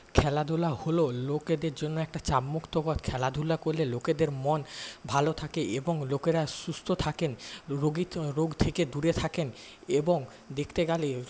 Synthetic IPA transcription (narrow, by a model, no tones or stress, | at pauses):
kʰɛlad̪ʱulahololoked̪eɾd͡ʑonːoɛk̚ʈat͡ɕabmokt̪oɡot̪kʰɛlad̪ʱulakoɾleloked̪eɾmɔnbʱalot̪ʰakeʔeboŋlokeɾaʃust̪ʰot̪ʰakenɾoɡiɾoɡt̪ʰeked̪uɾet̪ʰaken | eboŋ | d̪ekʰt̪eɡale